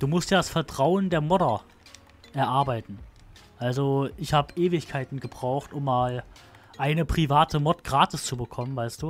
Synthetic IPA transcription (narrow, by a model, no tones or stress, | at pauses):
d̥uːmʊstjaːdasfɛɐtʁ̥aʊəndeːɐmɔdɐ | ʔɛɐʔaɐbaɪtn̩ | ʔalzoʔɪçhaːbəʔeːvɪçkʰaɪtn̩ɡəbʁaʊxtʔʊmːaːl | ʔaɪnəpʁ̥ivaːtʰəmɔtɡ̥ʁaːtɪst͡subəkʰɔmənvaɪst̚d̥uː